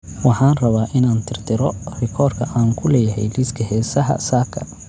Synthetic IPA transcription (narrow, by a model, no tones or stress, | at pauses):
wɑħɑːnrɐβaːʔɪnaːnt̪ʰɪrt̪ʰɪɾɔrɪkʰɔːrkʰɐʔaːŋkʰʊlɛːjɐɦɛ̰jliːskʰɐɦɛːsɐɦɐ̰saːkʰɐ